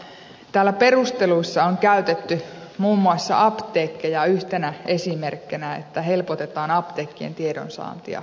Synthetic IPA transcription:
t̪æːlːæpe̞rust̪e̞luisːɑoŋkæyt̪et̪ːymuːmːuɑsːɑ̰ʔɑpt̪eːkːejɑyht̪enæe̞simerkːenæḛt̪ːæɦe̞lpot̪e̞t̪ɑːnɑpt̪eːkːiḛnt̪iedo̰nsɑ̰ːnt̪iɑ̰

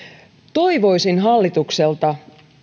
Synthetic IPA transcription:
t̪o̞jʋo̞jsinɦɑlːit̪ukse̞lt̪ɑ

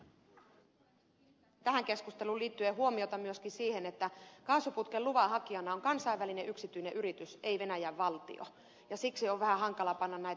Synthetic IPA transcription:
t̪æɦæŋke̞skust̪e̞luliːt̪ːyeɦuo̞mio̞t̪ɑmyøskinsiːhe̞net̪ːækɑːsuput̪keluʋɑɦɑkiɑnɑoŋkɑnsɑiʋːælineʔyksit̪yjneʔyɾit̪ysejʋe̞næjæʋːɑlt̪ḭo̰ | jɑsiksioʋʋæhæɦɑŋkɑlɑpɑnːɑnnæjt̪

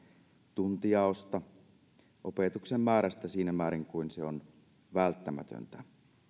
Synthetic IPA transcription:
t̪unt̪ijɑost̪ɑ | ʔo̞pet̪uksemːæːɾæst̪æsiːnæmæːɾiŋkuinseo̞n | ʋælt̪ːæmæ̰t̪ø̰nt̪æ

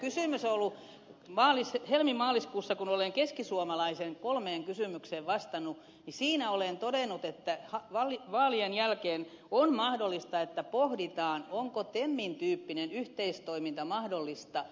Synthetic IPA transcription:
kysyˑmysolːu | mɑːlishelmimɑːliskuːsːɑkunoleŋkeskisuomɑlɑiseŋkolmeːŋkysymykseːʋʋɑst̪ɑnu | nisiːnæolent̪odenːˑut̪et̪ːæhɑʋɑliʋɑːlienjælkeːn | onmɑhdolːˑist̪ɑet̪ːæpohdit̪ɑːnoŋkot̪emːint̪yːpːinenyht̪eist̪oimint̪ɑmɑhdolːist̪ɑ

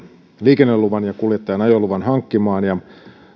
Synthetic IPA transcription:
liːkenːeluʋɑnjɑkuljet̪ːɑjɑnɑjolːuʋɑnɦɑŋkːimɑːnjɑ

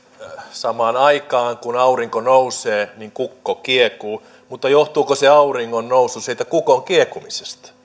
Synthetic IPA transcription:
sɑmɑːnɑikɑːŋkunɑuriŋkonouseːniŋkukːokiekuː | mut̪ːɑjoht̪uːkoseɑuriŋːonnousːusiːlt̪ækukoŋkiekumise̥st̪ɑ̥

